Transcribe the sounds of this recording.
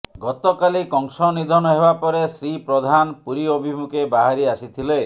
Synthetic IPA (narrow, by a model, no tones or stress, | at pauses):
ɡɔt̪ɔkalikɔŋsɔnid̪ʱɔnɔɦebapɔɾesɾipɾɔd̪ʱanpuɾiɔbʱimukʰebaɦaɾiasit̪ʰile